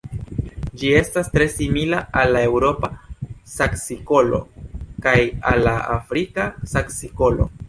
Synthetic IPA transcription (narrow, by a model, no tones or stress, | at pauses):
d͡ʒie̞stastɾe̞similaalːae̞wɾo̞pasaksiko̞lo̞̰kajalːaafɾikasaksiko̞lo̞̰